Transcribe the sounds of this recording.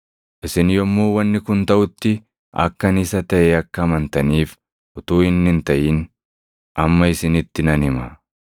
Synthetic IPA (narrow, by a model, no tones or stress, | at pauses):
ʔɪsɪnjɔmːoːwɐnːɪkʊnt̪ɐʔʊt̪ːɪ | ʔɐ̰kːɐnɪsɐt̪ɐʔɛɐkːɐːmɐnt̪ɐniːf | ʔʊt̪uːɪnːɪnt̪ɐʔiːn | ʔɐmːɐɪsɪnɪt̪ːɪnɐnhɪmɐ